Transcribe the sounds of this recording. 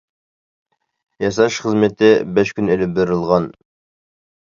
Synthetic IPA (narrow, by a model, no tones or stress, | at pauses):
jɑsɑʃχəzmet̪ɪbæʃkʲynelɪp̚beɾɪlˠʁɑn